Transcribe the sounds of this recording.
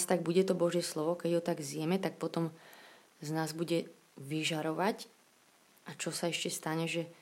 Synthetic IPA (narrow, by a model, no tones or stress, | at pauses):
st̪aɡ̚buɟɛt̪ɔbɔʒjɛslɔʋɔkɛɟɦɔt̪aɡzjɛmɛt̪ak̚pɔt̪ɔm | znaːzbuɟɛ | ʋiʒaɾɔʋac | ʔat͡ʃɔsaɛʃcɛst̪aɲɛʒɛ